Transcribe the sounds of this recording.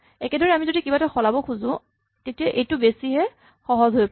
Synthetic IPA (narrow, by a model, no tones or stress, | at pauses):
ɛkɛdɔɹɛamizodikibatɔxɔlabɔkʰuzʊ̃ | tetiaʔejtʊbesiɦɛ | xɔɦɔzɦojp